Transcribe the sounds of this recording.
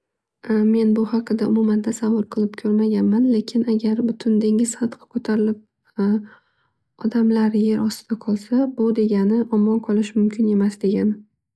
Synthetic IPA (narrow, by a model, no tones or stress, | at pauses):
me̞nbʊhɑqʰɨd̪aʊmʊmand̪asavɒɾqʰɨlˠɪp̚kʲʰoɾmaɡʲanmanle̞kʲʰɪnaɡʲaɾbʊt̪ʰʊnd̪eŋɪz̥χɑt̪qʰɨ̥kʰot̪ʰaɾɪlɪp̚ | ɒd̪amlaɾje̞ɾʔɒst̪ɪd̪̥aqʰɒlˠsabʊd̪e̞ɡʲanɪʔɒmːɒnqʰɒlˠɪʃmʊmkʲʰɪne̞masd̪e̞ɡʲanɪ